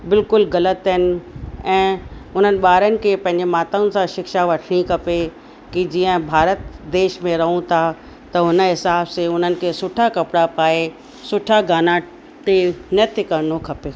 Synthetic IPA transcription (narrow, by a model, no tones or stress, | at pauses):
bɪlkʊlɣɐlət̪ɦɪnɪ̆ɛ̃ːʊn̤ənɪ̆ɓaːɾənɪ̆kʰeːpɐ̃ɦɪ̃ɲ̆d͡ʑemaːt̪aʊnɪ̆sãʃɪkʃaʋɐʈʰɽ̃ikʰɐpe | kid͡ʑiːə̃bʱaːɾət̪d̪eːʃmẽɾɐɦũt̪ʰa | t̪ɐʊnəɦɪsaːbseʊn̤ənɪ̆kʰeːsʊʈʰakɐpɪɽapaːe | sʊʈʰaɡaːna | t̪enət̪ʰɪkɐɾnokʰɐpeː